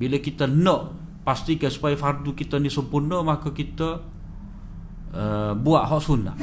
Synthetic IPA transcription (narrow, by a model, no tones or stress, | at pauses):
biləkit̪ənəʔ | past̪ikajsu̥pajəfard̪ukit̪ənisəmpurnəmakəkit̪ə | əbuaʔɦɔʔsuna̰ʔ